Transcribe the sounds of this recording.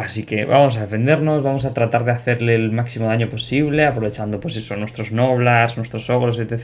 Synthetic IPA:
asikeβamos̬aðefend̪eɾnosβamosat̪ɾat̪aɾðeaθeɾlelmaksimoðaɲoposiβleapɾoet͡ʃand̪opojsesonwest̪ɾoznoβlasnwest̪ɾosoɣɾosee

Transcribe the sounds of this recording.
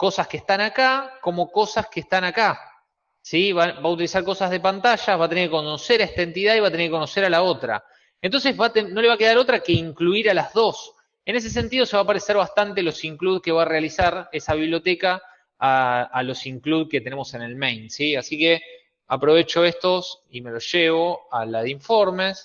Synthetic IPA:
ko̞saskeht̪anakako̞mo̞ko̞saskeːst̪anaka | siβabaut̪ilisaɾko̞sazð̞e̞pant̪aʃaβat̪eneɾkekonoseɾaeht̪aent̪ið̞aiβat̪eneɾkekonoseɾalao̞t̪ɾa̰ | ent̪o̞nsezβat̪eno̞leβakeð̞aɾo̞t̪ɾake̞iŋkluiɾalazðo̞s | enes̬e̞s̬e̞nt̪iðo̞seβaːpaɾeseɾβast̪ant̪elo̞siŋkluðke̞βaːrealisaɾe̞saβiβljo̞t̪ekaː | lo̞siŋkluðket̪ene̞mo̞se̞ne̞lmejnsiasike | apɾo̞β̞e̞t͡ʃo̞est̪o̞sime̞lo̞sʒeβo̞alaðeiɱfo̞ɾmes

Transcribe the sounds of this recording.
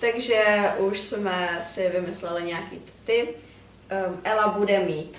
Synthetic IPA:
t̪aɡʒɛʔuʃsmɛsɪvɪmɪslɛlɪɲɛjakiːt̪t̪ɪp | ʔɛlabudɛmiːt̪

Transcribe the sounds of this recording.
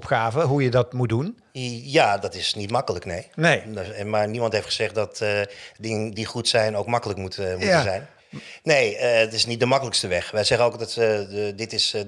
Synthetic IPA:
ɔpxaːvəɦujədɑtmut̚dun | jaːdɑtɪsnitmɑkələknejnemaːɹnimɑntɦejftχəzɛχt̚dɑtdɪŋəndiχutsɛjnowkmɑkələkmutmuzɛjn | nejəətɪsnit̚dəmɑkələkstəʋɛχʋɛjzɛχənowkdtdɪtɪs

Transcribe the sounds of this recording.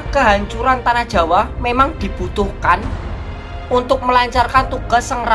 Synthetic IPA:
kəɦaɲt͡ʃuɾant̪anahdʒ̥ä̤wahmemaŋd̪̥i̤b̥ut̪ʊhkan | unt̪ʊk̚məlaɲt͡ʃarkant̪uɡ̥a̤sːəŋr

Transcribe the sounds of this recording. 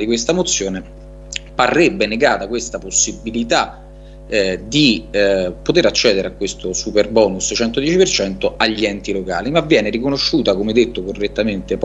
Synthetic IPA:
d̪ikwest̪amot̪sːjoːne | parːebːeneɡaːt̪akwest̪aposːibilit̪a | d̪i | pot̪eɾat͡ʃːɛːd̪eɾeakːwest̪osuperbɔːnust͡ʃɛnt̪od̪jɛt͡ʃipert͡ʃɛnt̪oaʎːiɛnt̪iloka̰ːlimavːjɛːneɾikonoʃːuːt̪akomed̪et̪ːokorːet̪ːament̪ep

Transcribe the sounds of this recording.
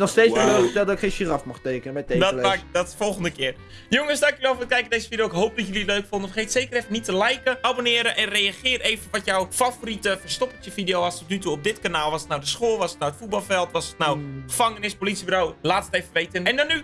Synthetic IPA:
nɔxsteːt͡slodɛlˠdɔɪkχejʃirafmɔxtejkənəmɛedɔtadɔtfɔlˠxəndəkɪːr | joŋəsdakjəʋɛlˠfot̚kɛjkədejzəfidijoɪkɦowp̚dɔtjøliətløɥkfondəfərχejtsejkərɛfənitəlɛjkəʔabonɪːɾəʔɛnrejaχɪːrejvənʋɔtjɔwfavoritəfərstɔpətjəfidejowastotnytuɔp̚dɪtkanaːlˠʋɔsə̥tnawdəsxoːlˠʋɑsə̥tnawətfut̚bɑlˠfɛlˠtʋɔsətnawχəfɑŋənɪspolitsibyɾowlaːtətejvəʋejtənɛndɔnːy

